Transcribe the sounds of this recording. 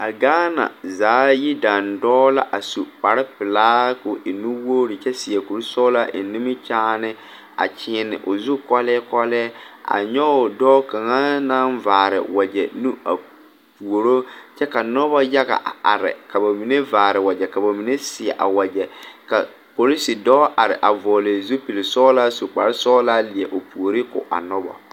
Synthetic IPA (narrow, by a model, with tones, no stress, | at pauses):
a˨ɡaː˦na̰˨zaː˨˦ji˦da˨ndɔː˦la̰˦ʔa˨su˨k͡pa˨ɾɪ˦pɪ˨laː˦kʊ˨ʔɪ˨nu˦woː˦ɾɪ˨t͡ʃɛ˦sɪ˨ɛ˨ku˨ɾsɔː˦la˦ʔɪ̰˨˦ni˦mɪ˦t͡ʃaː˦nɪ˦ | a̰˨t͡ʃɪ˦nɪ̰˨ʔʊ˨zʊ˦kɔ˦lɛ˦kɔ˦lɛ˦a̰˨ɲɔ˦ʊ˨dɔː˦ka˨ŋa˦na˦nvaː˨ɾɪ̰˨wa˨d͡ʒɛ˨nu˦a̰˨ | pu˨o˨ɾo˦t͡ʃɛ˦ka˨nɔ˦bɔ˦ja˦ɣa̰˨ʔa˨a̰˨ɾɪ̰˨ka˨ba˨mi˨ne˦vaː˨ɾɪ˨wa˨d͡ʒɛ˨ka˨ba˨mi˨ne˦sɪ˨ɛ̰˨ʔa̰˨wa˨d͡ʒɛ˨ka˨ | po˨li˦si˨dɔː˦ʔa˨ɾɪ̰˨ʔa˨vɔː˨le˨zu˦pi˨lɪ˨sɔː˦la˦su˨k͡pa˨ɾɪ˦sɔː˦la˦li˨ɛ˨ʔo˨pu˨o˨ɾi˦kʊ̰˨ʔa̰˨nɔ˦bɔ̰˨